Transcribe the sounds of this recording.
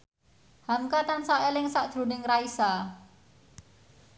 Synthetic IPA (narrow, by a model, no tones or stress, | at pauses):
hamkat̪ansaʔelɪŋsaʔdʒ̥ɾṳnɪŋraisa